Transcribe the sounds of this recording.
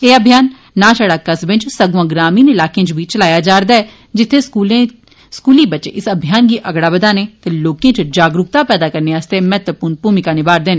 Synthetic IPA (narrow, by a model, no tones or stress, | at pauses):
eːəbʱijaːnː | ãːt͡ʃaːɽaːkəsbɪ̃nt͡ʃsəɡʋãːɡɾaːmiːnɪlaːkeãt͡ʃbit͡ʃəlaːjaːd͡ʒaːɾd̪aːɛ | d͡ʒɪt̪ʰːeu | skuːliːbət͡ʃeʔɪsəbʱijaːnɡiːʔəɡɽaːbəd̪aːneːt̪eːloːkjãːt͡ʃd͡ʒaːɡɾʊk̚t̪aːpɛːd̪aːkəɾneːaːst̪eːmɛːt̪ʋəpuːɾnpuːmɪkaːnɪbaːɾd̪eːn